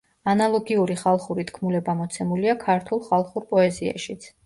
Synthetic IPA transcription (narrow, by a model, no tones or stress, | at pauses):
analˠɔɡiuɾiχalˠχuɾit̪ʰkʰmulɛbamɔt̪sʰɛmuliakʰaɾt̪ʰulˠχalˠχuɾpʼɔɛzia̰ʃit̪sʰ